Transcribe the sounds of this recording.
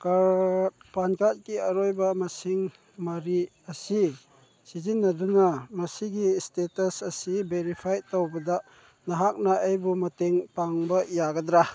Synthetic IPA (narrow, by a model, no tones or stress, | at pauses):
ka | pankat̚kiɐɾojbɐmɐsiŋ | maɾi | ɐsi | sizinːɐdunamɐsiɡistetɐsɐsibeɾipʰajtowbɐda | nɐɦak̚naʔejbumɐteŋpaŋbɐjaɡɐdɾa